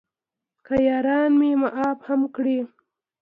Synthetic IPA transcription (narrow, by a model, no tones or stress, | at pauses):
kajɑːɾɑnmemaʔɑbhamkɽi